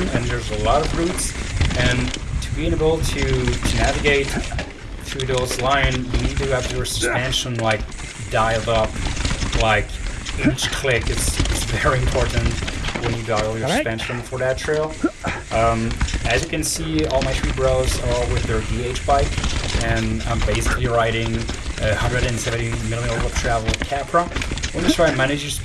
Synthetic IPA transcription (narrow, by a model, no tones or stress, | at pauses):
nɨ̃nðə˞zəlɔɾʌvɹʉtsɨ̃ntʰɨbiɪ̃neɪbl̩ˠtʰɨtʰɨnævɨɡeɪt | tʰɨðoʊzlãɪ̃njɨnid̚tɨʌpjə˞spæ̃nʃə̃nlaɪk̚ | d̥aɪlˠdʌplaɪkit͡ʃkʰl̥ɪkɨtsɪtsvɛɹiɨ̃mpʰɔɹʔn̩twə̃njɨdaɪl̩ˠjə˞spæ̃nʃə̃mfɔɹɾætʰɹ̥eɪlˠʔʌ̃mɨzjɨkɨ̃nsiɔlˠmaɪθɹibɹoʊzəwɪðə˞dieɪt͡ʃb̥aɪkɨ̃nʌ̃beɪsɨ̥kliɹaɪɾɪ̃ŋ | ʔɨhʌ̃ndɹɨɾɨ̃nsɛvɨ̃ntimɪlˠmiɾl̩ˠbʊk̚tʰɹ̥ævl̩ˠw̥kʰæpɹəwə̃d͡ʒʌstɹaɪmɛnɨd͡ʒjə˞s